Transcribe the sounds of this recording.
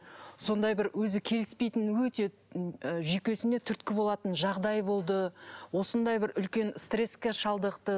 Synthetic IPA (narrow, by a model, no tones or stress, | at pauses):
so̞nd̪ɑjbɪɾwɵzɪkʲʰe̞lɪspe̞jt̪ɪnwɵt̪e̞ | ʒikʲe̞sɪne̞t̪ʰʏɾt̪̚kʲɪbo̞lˠɑt̪ənʒɑʁd̪ɑjbo̞lˠd̪əwo̞sənd̪ɑjbɪɾʏlkʲe̞nst̪re̞skʲeʃɑlˠd̪əqt̪ə